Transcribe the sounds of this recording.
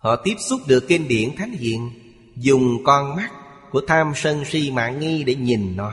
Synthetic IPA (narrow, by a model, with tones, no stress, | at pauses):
hɔ̰˧˨t̪i˦˥əp̚su˦˥p̚ɗɨ˨˩əkːe˧nɗḭ˧˩ənt̪ʰa˨˦jŋ̟hḭ˧˨ən | zʊ˨˩ŋ͡mkɔ˧nma˦˥k̚ | ku˧˩ət̪ʰaː˧msə˧ŋsi˧ma̰ː˧˨ŋi˧ɗe˧˩ɲi˨˩nːɔ˨˦